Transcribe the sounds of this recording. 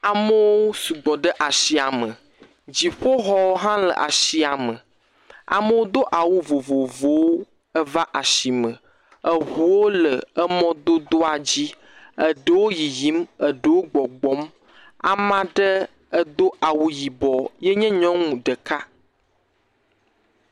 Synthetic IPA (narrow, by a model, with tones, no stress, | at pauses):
a˨mə˦wo˦su˨ɡ͡bɔ˨ɖə˦ʔa˨ʃi˦a˨mə̃˨ | d͡ʑi˨ɸo˦ɦɔ˦wo˦ɦã˦lə̰˨ʔa̰˨ʃi˦a˨mə˨ | a̰˨mə˦wo˦d̪o˦ʔa˨wu˦vo˨vo˨vo˦wo˦ | ə˦va˦ʔa˨ʃi˨mə̃˨ | ə˨ɦu˨wo˦lə˨ə˦mɔ̃˦d̪o˦d̪o˦a˨d͡ʑi˦ | ə˨ɖə˦˨wo˦ji˨ji˦mə˨ɖə˦˨wo˦ɡ͡bɔ˨ɡ͡bɔ˦m | a̰˨mã˦ɖə˦ | ə˦d̪o˦ʔa˨wu˦ji˨bɔ˨jɛ˦ɲɛ̃˦ɲɔ̃˦ŋũ˨ɖə˨ka˦